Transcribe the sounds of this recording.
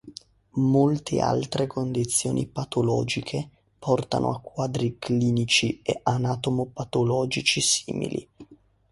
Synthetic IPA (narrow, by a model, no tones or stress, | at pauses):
molt̪ʰḛa̰lt̪ɾekond̪it̪sːjoːnʔḭpat̪olɔːd͡ʒikʰe | pʰɔrt̪a̰nʔo̰akːwaːd̪ɾikliːnit͡ʃieʔanat̪omopat̪olɔːd͡ʒit͡ʃisḭːmḭlḭ